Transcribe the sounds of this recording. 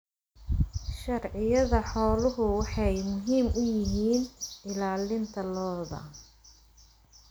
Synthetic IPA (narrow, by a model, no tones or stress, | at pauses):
ʃɐrʕɪjɐðɐħɔːlʊɦʊwɑħɑjmʊɦiːmʔʊjɪɦiːnɪlaːlɪnt̪ʰɐlɔːðɐ̰